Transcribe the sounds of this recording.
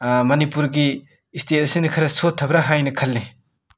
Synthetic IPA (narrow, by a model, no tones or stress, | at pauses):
mɐnipuɾɡiː | stʰetsinikʰɐɾɐsot̪ʰːɐbɾɐɦajnɐkʰɐlːe